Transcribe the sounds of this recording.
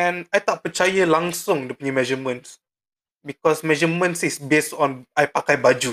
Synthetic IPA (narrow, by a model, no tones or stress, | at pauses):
ɛ̃najt̪ɔʔ̚pət͡ʃajəlãŋsʊ̃ŋdəpəɲimɛd͡ʒəmə̃ns | bikɔsmɛd͡ʒəmə̃nsisbestɔ̃najpakajbad͡ʒu